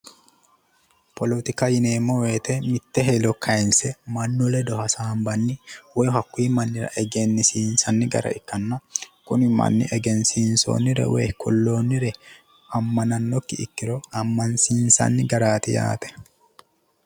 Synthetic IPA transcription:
pɔlɔt̪ɪkɐjɪneːmːɔweːt̪ɛmɪt̪ːɛɦɛlɔkʰːɐɪnsɛmɐnːɔlɛd̪ɔhɐsaːmbɐnːɪwɛjɦɐkːʊiːmɐnːɪɾɐ̰ʔɛɡɛnːɪsiːnsɐnːɪɡɐ̰ɾɐ̰ɪkːɐnːɐkʊnɪmɐ̰nːɪ̰ʔɛɡɛnsiːnso̰ːnːɪɾɛ̰wɛ̰kʰɔ̰lːoːnːɪɾɛ | ʔɐmːɐnɐnːɔkːɪɪ̰kːɪɾɔɐmːɐnsiːnsɐ̰nːɪɡɐɾaːt̪ɪja̰ːt̪ɛ̥

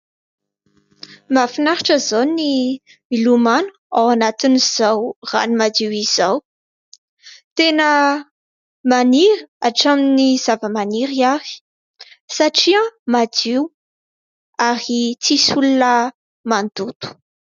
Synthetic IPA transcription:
mafinaɾaʈ͡ʂəzoni | milumanu̥awanat̪iniz̥awra̰nimad̪iwiz̥aw | t̪enə | maniɾiaʈ͡ʂaminiz̥avəmaniɾiavi̥ | saʈ͡ʂiãmad̪iw | aɾit͡sisulunə | mand̪ut̪u̥

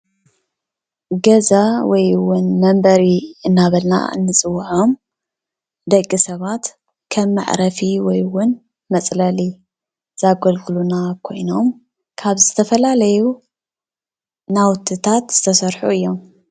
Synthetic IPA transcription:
ɡɐzawɔjwʊnmɐmbɐɾiɨnːaβɐlna̰ɨ̰nːɨt͡sʼɨwːħom | d̪ɐkʼːisɐβat̪ | kʰɐmːa̰ʕ̰ɾɐfiwɔjwʊn | mɐt͡sʼlɐli | z̥aɡɐlɡɨlunakʰo̞jno̞m | kʰaβzɨt̪ʰɐfɐlalɐju | nawt̪ʰːɨt̪ʰat̪z̥ɨt̪ʰɐsɐɾħuɨjːo̞m

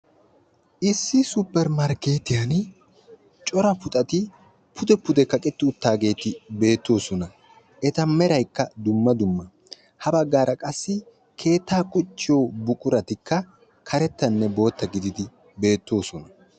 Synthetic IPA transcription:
ʔɪsːɪsʊpːɛɾmɐɾke̞ːt̪ɪjan | t͡ʃʼɔɾɐpʊt̪ʼɐt̪ɪ | pʰʊd̪ɛpʊd̪ɛkɐkʼɛt̪ːɪʊt̪ːaːɡe̞ːt̪ɪbe̞ːt̪ːo̞ːsɔnɐ | ʔɛt̪ɐmɛɾɐjkːɐd̪ʊmːɐd̪ʊmːɐ | hɐbɐɡːaːɾɐkʼɐsːɪ | kʰe̞ːt̪ːaːkʼɔt͡ʃːɪjo̞ːbʊkʼʊɾɐt̪ɪkːɐ | kʰɐɾɛt̪ːɐnːɛbo̞ːt̪ːɐɡɪd̪ɪd̪ɪ | be̞ːt̪ːo̞ːsɔnɐ

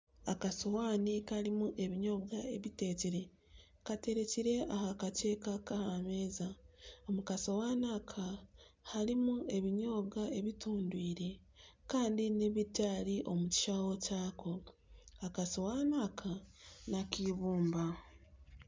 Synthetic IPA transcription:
akasowaːnikaɾimuʔe̞βiɲo̞ːβɡae̞βite̞ːciɾe̞ | kate̞ɾe̞ciɾe̞ʔahakate̞ːkakahameːzaomukaso̞waːnaːkʰahaɾimue̞βiɲo̞ːβɡaʔe̞βituːndwiːɾe̞ | kaːndine̞βicaːɾiʔo̞muci̥ʃawo̞caːkʰo̞akasowaːnaːkʰanakiβuːmba

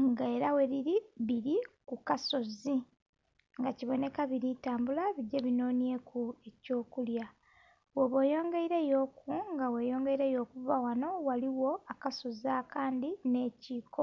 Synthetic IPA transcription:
ŋɡeːɾawe̞ɾiɾiβiɾikukaso̞zi | ŋɡaciβo̞ne̞kaβiɾitaːmbulaβiɟːeβino̞ːnje̞kue̞co̞ːkulja | weβwe̞jo̞ːŋɡe̞iɾe̞jo̞ːkuŋɡawe̞ːjo̞ːŋɡe̞iɾe̞jo̞ːkuvawano̞waliwo̞akaso̞zaːkaːndine̞ːciːko

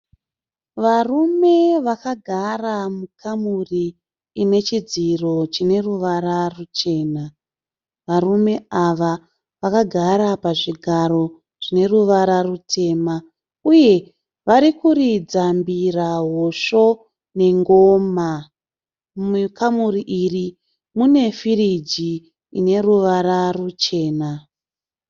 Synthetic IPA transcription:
ʋarume̞ʋakaɡʱaramukʰamuriː | ne̞t͡ʃid͡ziro̞t͡ʃine̞ruʋaɾarut͡ʃe̞ːna | ʋarume̞aʋa | ʋakaɡʱaɾapaʐiɡʱaɾo̞ | ʐ̥ine̞ruʋaɾarutʰe̞ːma | uje̞ | ʋaɾikurid͡zambiraɦoʂo̞ | ne̞ŋɡoːma | mkamuriʔiri | mune̞firid͡ʒiː | ne̞ruʋaɾarut͡ʃe̞ːna

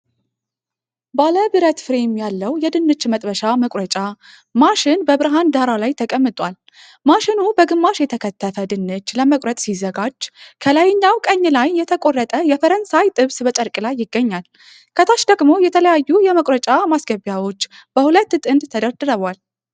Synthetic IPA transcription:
baləbɨɾət̪fɨɾemjalːəwjɛd̪ɨnːɨt͡ʃːmət̪ʼbəʃaməkʼɾət͡ʃʼa | maʃɪnbəbɨɾɨɦand̪aɾalajt̪ʰəkʼəmːɨt̪ʼʷal | maʃɪnubəɡɨmːaʃjɛt̪ʰəkʰət̪ʰːəfəd̪ɨnːɨt͡ʃːləməkʼɾət̪ʼsizəɡad͡ʒːkʰəlajɲːawkʼəɲːlajːɛt̪ʰəkʼo̞rːət̪ʼəjɛfəɾənsajt̪ʼɨβsbət͡ʃʼəɾkʼlajːɪɡːəɲːal | kʰət̪ʰaʃd̪əɡmo̞jɛt̪ʰələjajːujɛməkʼɾət͡ʃʼamasɡəβjawo̞t͡ʃːb̥əhulət̪ːt̪ʼɨnd̪t̪ʰəd̪əɾd̪ɨɾəβʷal

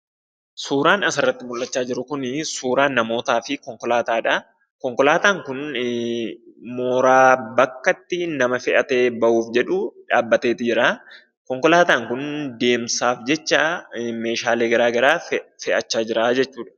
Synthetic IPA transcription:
suːɾaːnɐsɐrːɐt̪ːɪmʊlːɐt͡ʃːaːd͡ʒɪɾʊkʊnsuːɾaːnːɐmo̞ːt̪aːfɪkɔŋkɔlaːt̪aːᶑɐ | kɔŋkɔlaːt̪aːŋkʊn | moːɾaːbɐkːɐt̪ːɪnɐmɐfɛʔɐt̪e̞ːbɐʔuːfd͡ʒɛᶑʊᶑaːbːɐt̪e̞ːt̪ɪd͡ʒɪɾa | kɔŋkɔlaːt̪aːŋkʊnd̪e̞ːmsaːfd͡ʒɛt͡ʃːɐme̞ːʃaːle̞ːɡɐɾaːɡɐɾaːfɛʔɐt͡ʃːaːd͡ʒɪɾaːd͡ʒɛt͡ʃːuːᶑɐ̥

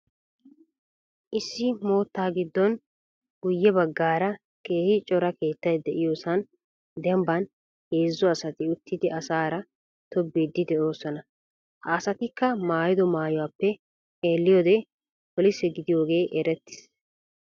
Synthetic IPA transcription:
ʔɪsːɪmo̞ːt̪ːaːɡɪd̪ːɔn | ɡ̥ʊjːɛbɐɡːaːɾɐ | ke̞ːhɪt͡ʃʼɔɾɐke̞ːt̪ːɐjd̪ɛʔɪjoːsɐn | d̪ɛmbɐn | heːzːɔɐsɐt̪ɪʊt̪ːɪd̪ɪɐsaːɾɐ | t̪ɔbːid̪ːɪd̪ɛʔo̞ːsɔnɐ | hɐːsɐt̪ɪkːɐmaːjɪd̪ɔmaːjʊwaːpːɛ | eːlːɪjoːd̪ɛ | pɔlɪsɛɡɪd̪ɪjo̞ːɡe̞ːʔɛɾɛt̪ːɪ̥s

